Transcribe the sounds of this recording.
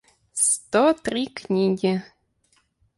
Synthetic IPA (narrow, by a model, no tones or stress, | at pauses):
st̪ot̪rʲiknʲiɡʲɪ